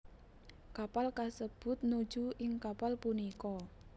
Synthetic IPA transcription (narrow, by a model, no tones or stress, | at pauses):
kapalkasəb̥ʊ̤t̪̚nu̥d͡ʒuɪŋkapalpunikɔ